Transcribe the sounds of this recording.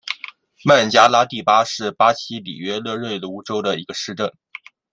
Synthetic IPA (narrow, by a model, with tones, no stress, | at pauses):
ma˥˩nt͡ɕja˥la˥t̪i˥˩pa˥ʂɻ̩˥˩pa˥t͡ɕʰi˥lḭ˨˩ɥɛ˥lɤ˥˧ɻwe˥˩ɪlu˧˥ʈ͡ʂo˥ʊɾə˨i˧˥ɡə˧ʂɻ̩˥˧ʈ͡ʂə˥˩ŋ